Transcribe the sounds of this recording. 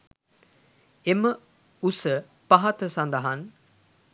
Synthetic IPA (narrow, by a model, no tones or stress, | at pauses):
emə | usə | paɦat̪əsand̪əɦan